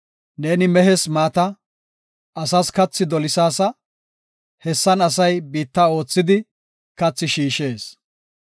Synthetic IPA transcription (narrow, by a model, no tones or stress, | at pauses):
neːnɪmɛɦɛsmaːt̪ɐ | ɐsɐskɐt͡sːɪd̪ɔlɪsaːsɐ | hɛsːɐnɐsɐjbiːt̪ːao̞ːt͡sːɪd̪ɪ | kɐt͡sːɪʃiːʃe̞ːs